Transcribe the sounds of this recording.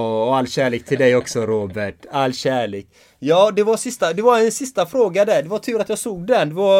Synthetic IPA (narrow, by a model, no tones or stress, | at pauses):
ɔalːɕæːɭeːk̚t̪ʰɪld̪ɛjɔksɔɾoːbæʈalːɕæːɭeːk | jɑːd̪ɛvasɪst̪ad̪ɛvaɾɛnsɪst̪afɾoːɡad̪æɖɛvaʈ̪ʰʉ̟ːɾat̪jɑːɡsoːɡ̚d̪ɛnd̪ɛva